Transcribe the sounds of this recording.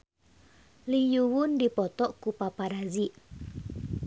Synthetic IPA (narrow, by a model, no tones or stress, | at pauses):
lijuwʊndipɔt̪ɔʔkupapaɾaziʔ